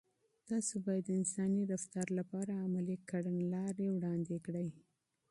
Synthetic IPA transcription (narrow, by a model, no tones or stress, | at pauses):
t̪ɑsobɑjad̪ːəɪnsɑniɾaft̪aɾlapɑɾaːmalikaɽənlɑɾewɽɑnd̪ekɽəj